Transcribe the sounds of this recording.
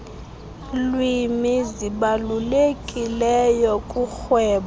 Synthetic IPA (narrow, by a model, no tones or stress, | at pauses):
lwimiziɓalulekʼilɛjɔkʼuxwɛːɓɔ